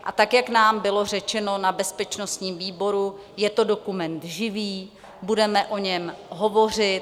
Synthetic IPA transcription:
ʔat̪akjaknaːmbɪlo̞r̝ɛt͡ʃɛno̞nabɛspɛt͡ʃno̞st̪ɲiːmviːbo̞ɾu | jɛt̪o̞do̞kumɛnt̪ʒɪviː | budɛmɛʔo̞ɲɛmɦo̞vo̞r̝ɪt̪

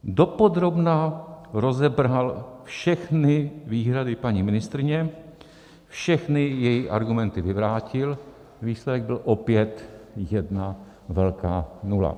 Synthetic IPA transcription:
do̞po̞d̪ɾo̞bnaɾozɛbɾalfʃɛxnɪviːɦɾadɪpaɲimɪnɪst̪ɾɪɲɛ | fʃɛxnɪjɛjiʔa̰ɾɡumɛnt̪ɪvɪvɾaːcɪl | viːslɛdɛɡ̚bɪlʔopjɛt̪jɛdna | vɛlka̰ːnula̰

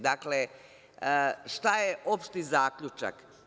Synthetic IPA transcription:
d̪akle | ʂt̪ajeʔo̞pʃt̪izaːkʎut͡ʃa̰k

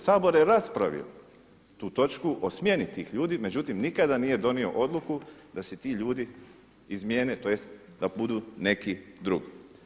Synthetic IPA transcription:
saːbo̞ɾjeɾaspɾa̰ʋḭo̰ | t̪uːt̪o̞t͡ʃkuʔo̞smje̞nit̪iːxʎuːd̪ime̞d͡ʑut̪imnikad̪aniːje̞d̪o̞nio̞̰ʔo̞d̪lˠukud̪aset̪iːʎuːd̪i | izmje̞ːnet̪ojest̪d̪abud̪uːne̞kid̪ɾuɡi

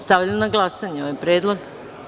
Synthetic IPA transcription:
st̪aʋʎanaɡlˠasaɲeoʋajpɾjeːd̪lˠoɡ

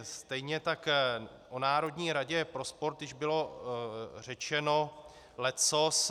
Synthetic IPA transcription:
st̪ɛjɲɛt̪ak | ʔonaːɾo̞dɲiːɾaɟɛpɾo̞spo̞ɾt̪dɪʒbɪlo̞ | r̝ɛt͡ʃɛno̞ | lɛt͡sos

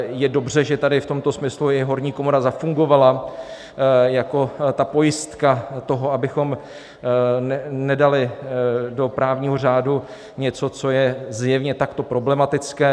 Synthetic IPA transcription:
jɛdo̞br̝ɛʒɛt̪adɪft̪o̞mt̪o̞smɪsluɪɦo̞ɾɲiːko̞moɾazafuŋɡo̞vala | jako̞t̪apo̞jɪst̪kat̪o̞ɦo̞abɪxo̞m | nɛnɛdalɪdo̞pɾaːvɲiːɦo̞r̝aːdu | ɲɛt͡so̞t͡so̞jɛzjɛvɲɛt̪akt̪o̞pɾo̞blɛmat̪ɪt͡skɛː

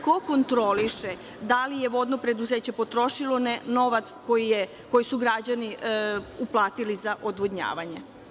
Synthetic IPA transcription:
ko̞ko̞nt̪ɾo̞liʃe | d̪alijeʋo̞d̪no̞pɾe̞d̪uze̞ːt͡ɕe̞po̞t̪ɾo̞ʃilo̞neno̞ʋat̪sko̞jije | ko̞jisuɡɾad͡ʑani | uplˠaːt̪ilizaʔod̪ʋodɲa̰ːʋaɲe̞

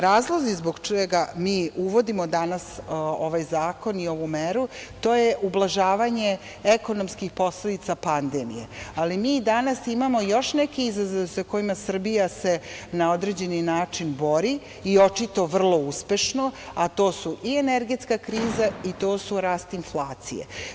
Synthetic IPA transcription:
ɾaːzlˠozizboɡt͡ʃeɡamiːuʋo̞d̪imo̞d̪anaso̞ʋajzaːko̞nioʋumeɾut̪oːje̞ʔublˠaʒaːʋaɲe̞ | eko̞no̞mskixpo̞sle̞d̪it̪sapand̪emḭjḛalimiːd̪anasimamo̞jo̞ʃnekiizazoʋesako̞imasr̩bijase̞nao̞d̪ɾed͡ʑe̞ninaːt͡ʂinbo̞ɾi | io̞t͡ʃit̪o̞ʋr̩lˠo̞uspe̞ʃno̞at̪o̞ːsuʔieneɾɡe̞t̪skakɾiːzait̪o̞ːsuɾaːst̪inflˠaːt̪sḭjḛ

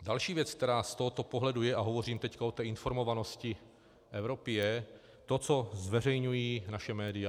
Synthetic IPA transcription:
dalʃiːvjɛt͡sk̚t̪ɛɾaːst̪oɦot̪o̞poɦlɛdujɛʔaɦo̞vo̞riːmt̪ɛckaot̪ɛːɪnfo̞ɾmo̞vano̞scɪ | ʔɛvɾo̞pɪjɛ | t̪o̞t͡so̞zvɛrɛjɲujiːnaʃɛmɛːdɪa

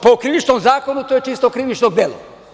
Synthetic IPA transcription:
pokɾiʋit͡ʃnomzaːko̞nut̪oːjet͡ʃist̪okɾiʋit͡ʃnoɡ̚d̪eːlo̰

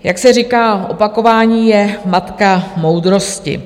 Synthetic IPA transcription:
jaksɛrikaːʔo̞pako̞vaːɲiːjɛmat̪kamo̞wd̪ɾo̞scɪ̰

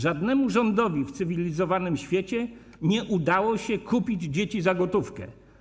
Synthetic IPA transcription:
ʐad̪nɛmuʐɔnd̪ɔvʲift̪sɘvʲilʲizɔvanɘmɕfʲjet͡ɕɛ | ɲɛʔud̪awɔɕɛkʰupʲid͡ʑd͡ʑet͡ɕizaɡɔt̪ufkɛ̰

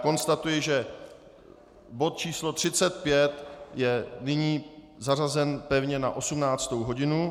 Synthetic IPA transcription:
ko̞nst̪at̪ujɪʒɛ | bo̞t̪̚t͡ʃiːslo̞t̪r̝̥ɪt͡sɛt̪̚pjɛt̪jɛnɪɲiː | zarazɛnpɛvɲɛnaʔo̞sumnaːt͡st̪owɦo̞ɟɪnu

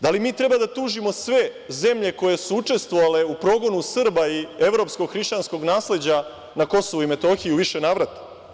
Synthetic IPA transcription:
d̪alimiːt̪ɾe̞bad̪at̪uːʒimo̞sʋe̞ | ze̞mʎe̞ko̞je̞suut͡ʂe̞st̪ʋo̞ʋale̞upɾo̞ːɡo̞nusr̩baie̞ʋɾo̞psko̞ɡxɾiʃt͡ɕansko̞ɡnaːsle̞d͡ʑa | nako̞so̞ʋuime̞t̪o̞xiuʋiʃe̞naːʋɾat̪ḁ

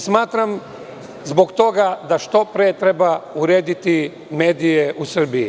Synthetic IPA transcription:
smaːt̪ɾam | zbo̞ɡt̪o̞ɡad̪aʃt̪o̞pɾeːt̪ɾe̞bauɾeːd̪it̪i | me̞ːd̪ijeʔusr̩biji

